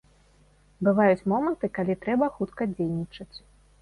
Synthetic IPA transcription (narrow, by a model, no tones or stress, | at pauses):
bɨvajut͡sʲmɔmɐnt̪ɨkalʲit̪ɾɛbɐxut̪kɐd͡zʲejnʲit͡ʂɐt͡sʲ